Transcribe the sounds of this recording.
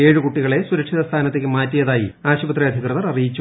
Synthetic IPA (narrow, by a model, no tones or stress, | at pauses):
eːɻɨkuʈːiɣɐɭe̞suɾɐkʂiðɐst̪ʰaːnɐt̪ːekʲːɨmaːtːijɐðaːjḭaːɕubɐt̪rijɐd̪ʱikrɨðɐrɐrijit͡ɕːu